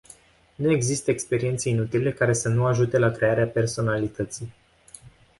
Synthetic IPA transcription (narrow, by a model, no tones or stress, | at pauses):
nue̞ɡzist̪əekspe̞ɾie̞nt̪se̞inut̪ile̞kaɾe̞sənuaʒut̪e̞lakɾe̞aɾeape̞rso̞nalit̪ət̪si